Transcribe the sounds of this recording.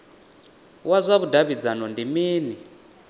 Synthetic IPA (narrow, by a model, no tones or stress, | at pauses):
wazʷaβudaβid͡zanɔndimiːni